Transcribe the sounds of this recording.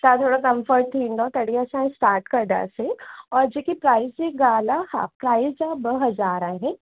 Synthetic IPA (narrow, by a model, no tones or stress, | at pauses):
t̪at̪ʰoːɽakɐ̃mfəɾʈt̪ʰĩːnd̪ot̪ɐɽiasãːsʈaːɾʈkɐɾd̪a̰ːseɔːɾd͡ʒeːkipɾaːɪzd͡ʒeɡaːlaha̰ːpɾaːɪzd͡ʒabəɦɐzaːɾaːɦɛ̃